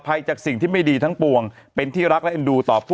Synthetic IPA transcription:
pʰa˧jt͡ɕaː˨˩k̚si˨˩ŋt̪ʰiː˥˩ma˥˩jdiː˧t̪ʰa˦˥ŋpu˧əŋpe˧nt̪ʰiː˥˩ɾa˦˥k̚lɛ˦˥ʔa˧nduː˧t̪ɔː˨˩pʰuː˥˩

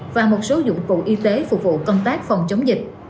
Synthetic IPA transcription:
vaː˨˩mo˨˩t̚so˨˦zʊ̰˧˨kṵ˧˨ʔi˧t̪e˨˦fʊ˨˩k͡p̚vṵ˧˨kə˧wŋ͡mt̪aː˦˥k̚fɔ˨˩wŋ͡mt͡ɕə˨˦wŋ͡mzï˨˩k̟̚

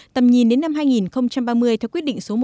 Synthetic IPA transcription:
t̪ə˨˩mɲi˨˩nɗe˨˦nːa˧mɦaː˧jŋi˨˩nxə˧wŋ͡mt͡ɕa˧mɓaː˧mɨ˧əjt̪ʰɛ˧kwəɗḭ˧˨ŋ̟so˨˦mo˨˩

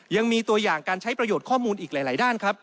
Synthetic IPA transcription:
ja˧ŋmiː˧t̪u˧ɐjaː˨˩ŋkaː˧nt͡ɕʰa˦˥jpɾa˧joː˨˩t̪̚kʰɔː˥˩muː˧nʔiː˨˩k̚laː˩˦jlaː˩˦jdaː˥˩nkʰɾa˦˥p̚

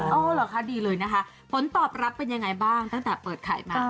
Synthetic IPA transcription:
ʔoː˧˩lɔː˨˩kʰa˦˥˩diː˧lɤː˧jna˦˥kʰa˦˥ | pʰo˩˦nt̪ɔː˨˩p̚ɾa˦˥pːe˧nja˧ŋa˧jbaː˥˩ŋt̪a˥˩ŋt̪ɛː˨˩pɤː˨˩t̪̚kʰa̰ː˨˩jmaː˧˩

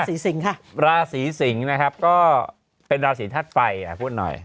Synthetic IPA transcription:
siː˩˦si˩˦ŋkʰa˥˩ɾaː˧siː˩˦si˩˦ŋna˦˥kʰa˦˥p̚kɔː˥˩ | pe˧nɾaː˧siː˨˩˦t̪ʰaː˥˩t̪̚fa˧ja̰˨˩pʰuː˥˩t̪̚nɔ̰˨˩j

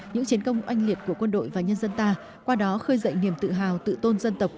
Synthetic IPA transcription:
ɲɨ̰˧˥ŋt͡ɕi˨˦nkə˧wŋ͡mʔa˧jŋ̟li˨˩ət̚ku˧˩əkwə˧nɗo̰˧˨jvaː˨˩ɲə˧nzə˧nt̪aː˧ | kwaː˧ɗɔ˨˦xəː˧jzə̰˧˨jni˨˩əmt̪ɨ̰˧˨ɦa̰ː˨˩wt̪ɨ̰˧˨t̪o˧nzə˧nt̪ə˨˩wk͡p̚

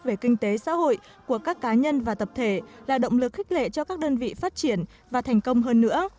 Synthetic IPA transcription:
ve˧˩kï˧ŋ̟t̪e˨˦sa̰ː˧˥ho̰˧˨j | ku˧˩əkaː˦˥kːaː˨˦ɲə˧nvaː˨˩t̪ə˨˩p̚t̪ʰe˧˩laː˨˩ɗə̰˧˨wŋ͡mlɨ˨˩k̚xi˦˥k̟̚lḛ˧˨t͡ɕɔ˧kaː˦˥k̚ɗəː˧nvḭ˧˨faː˦˥t̚t͡ɕi˧˩ən | vaː˨˩t̪ʰɛ˨˩jŋ̟kə˧wŋ͡mɦəː˧nːɨ̰˧˥ə

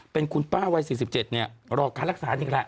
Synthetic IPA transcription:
pe˧nkʰu˧npaː˥˩wa˧jsiː˨˩si˨˩p̚t͡ɕe˨˩t̪̚ni˥˩ɐɾɔː˧˩kʰaː˧nla˦˥k̚saː˩˦t̪ʰi˨˧˩kla˦˥ʔ

